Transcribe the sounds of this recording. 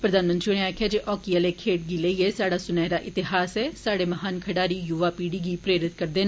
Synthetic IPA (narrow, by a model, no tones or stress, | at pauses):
pɾəd̪aːnmənt̪ɾiɽ̃ẽaːkʰjaːd͡ʒeːʔɔːkiəleːkʰeːʈ̚ɡiːləiːeːsaːɽaːsʊnɛːɾaːʔɪt̪ɪɦaːsɛːsaːɽeːmɐɦaːnkʰəɽaːɾiːjʊʋaːpiːɽiːɡiːpɾeːɾɪt̪̚kəɾd̪eːn